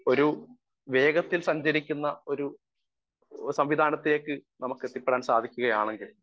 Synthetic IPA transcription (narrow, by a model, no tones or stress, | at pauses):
o̞ɾu | ʋe̞ːɡɐt̪ːilsɐɲd͡ʑɐɾikʲːunːɐo̞ɾu | sɐmʋid̪ʱaːnɐt̪ːile̞ːkːɨnɐmɐkːet̪ːipːeɽaːnsaːd̪ʱikʲːuɣɐjaːɳe̞ŋɡil